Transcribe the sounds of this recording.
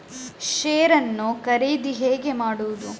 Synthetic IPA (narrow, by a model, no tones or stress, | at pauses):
ʃeːɾɐnːukɐɾejd̪iɦeːɡe̞maːɽuwud̪u